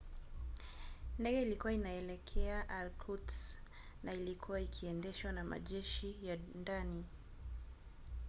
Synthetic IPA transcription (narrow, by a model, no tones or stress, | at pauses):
ndɛɡɛilikuwainaɛlɛkʰɛaʔalkʰuts | nailikʰuwaikʰiɛndɛʃwanama̰ʄɛʃijandani